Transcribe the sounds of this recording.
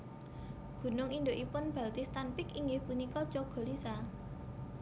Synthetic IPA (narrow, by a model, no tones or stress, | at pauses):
ɡ̥ṳnʊŋind̪oʔipʊnb̥a̤lt̪ist̪anpɪkiŋɡɪhpunikɔ̥d͡ʒoɡ̥ɔ̤lisa